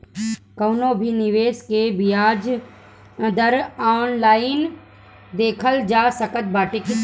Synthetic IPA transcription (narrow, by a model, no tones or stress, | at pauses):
kɐʊnoːbʱinɪʋeːskebijaːd͡ʒ̃ | d̪əɾaːnlaːɪn | d̪eːkʰəld͡ʒaːsɐkət̪̚baːʈɪk